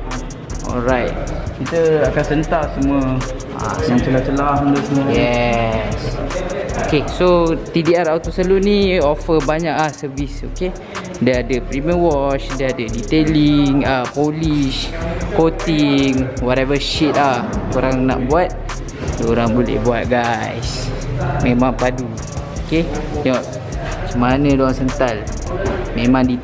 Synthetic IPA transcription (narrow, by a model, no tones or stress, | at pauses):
ɔ̰lɾajt̪̚kit̪əakansənt̪aʔsəmuə | a̰naŋt͡ʃəlaht͡ʃəlahməd̪osəməjɛs | okesot̪idiaɾawt̪osəluniofəbaɲaklahsəvisoke | diaadəpɾiməwɔt͡ʃdiadədit̪eliŋəpoliʃkot̪iŋwɔt̪ɛvəʃit̪̚lahkoɾaŋna̰ʔbuat̪̚ | doɾaŋbolɛ̰hbuat̪̚ɡajs | mẽmãŋpadu | okeɲɔʔ | səmanə̃doaŋsənt̪al | mẽmãŋdi